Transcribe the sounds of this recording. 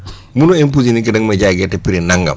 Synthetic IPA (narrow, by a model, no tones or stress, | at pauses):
munoimp̬uzinikidɐŋmeɟaɡetepiɾinaŋɡa̰m